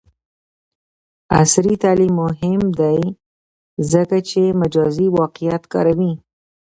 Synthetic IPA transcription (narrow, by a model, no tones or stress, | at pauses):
a̰sɾit̪alimːʊɦɪmd̪aj | zəkat͡ʃemad͡ʒɑziwɑqijat̪kɑ̰ɾawi